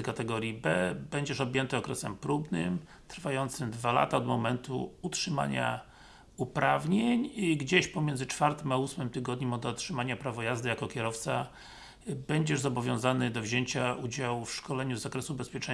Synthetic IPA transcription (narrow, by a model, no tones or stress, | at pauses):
kat̪ɛɡɔɾʲjibɛbɛɲd͡ʑɛʂɔbʲjɛnt̪ɘɔkɾɛsɛmpɾubnɘ̰m | t̪ɾfajɔnt̪sɘmd̪vala̰t̪aɔd̪mɔmɛnt̪ṵutʂɘma̰ɲa̰ | upɾavɲeɲɡd͡ʑeɕpɔmʲjɛndzɘt͡ʂfaɾt̪ɘmausmɘmt̪ɘɡɔd̪ɲimɔd̪ɔtʂɘmaɲapɾavɔjazd̪ɘjakɔkʲjɛɾɔft̪sa | bɛɲd͡ʑɛʐzɔbɔvʲjɔ̃w̃zanɘd̪ɔvʑeɲt͡ɕaud͡ʑawfʂkɔlɛɲuzakɾɛsubɛspʲjɛt͡ʂɛ